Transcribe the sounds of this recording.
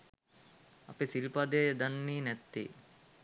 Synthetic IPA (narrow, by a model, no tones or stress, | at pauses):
ɐpesilpad̪ejd̪anːiːnɛt̪ːḛː